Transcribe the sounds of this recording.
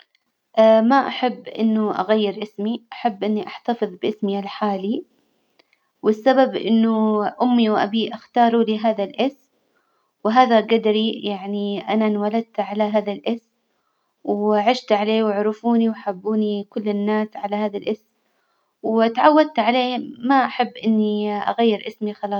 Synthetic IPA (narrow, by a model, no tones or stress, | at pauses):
ʔaːmaʔaħabːʔɪ̰nːʊʔa̰ɣajːɪɾʔɪsmiʔaħabːʔɪnːiʔaħt̪ɑfɨðˤbɪʔɪsmiʔalħaːli | wɪsːababʔɪ̰nːʊʔʊmːiwʔa̰biʔaxt̪ɑːɾˤuliɦaːðalʔɪsm | wɪɦaːðaɡad̪ɾijaʕniʔananwalad̪̚t̪ʕalaɦaːðalʔɪsm | wʕɪʃt̪ʕaleːwɪʕɾɪfuːniwaħabːuːnikʊlːɪnːaːsʕalahaːðalʔɪsm | wt̪aʕawːad̪̚t̪ʕaleːmaʔaħabːʔɪnːiʔa̰ɣajːɪɾʔɪsmixɑlɑːˤ